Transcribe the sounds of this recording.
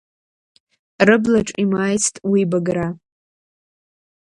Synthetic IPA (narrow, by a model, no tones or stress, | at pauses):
rɨblaʈ͡ʂʼimaːjt͡sʰtʼwibaɡɾa